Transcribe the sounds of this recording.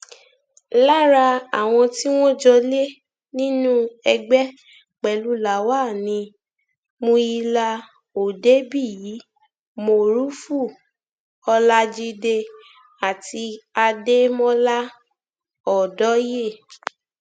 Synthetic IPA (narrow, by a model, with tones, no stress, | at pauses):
la˦ɾa˧a˨w̃ɔ̃˧ti˦w̃ɔ̃˦d͡ʒɔ˧le˦ | nĩ˦nũ˦ɛ˧ɡ͡bɛ˦ | k͡pɛ˨lu˨˦la˨wa˦˨nĩ˧ | mõ˧i˧la˧ | o˨de˦bi˦˨jiː˨˦ | mo˧ɾu˦fu˦˨ | ɔ˧la˦d͡ʒi˧de˧ | a˨ti˧a˧de˦mɔ̃˦la˦ | ɔ˨dɔ˨˦je˦˨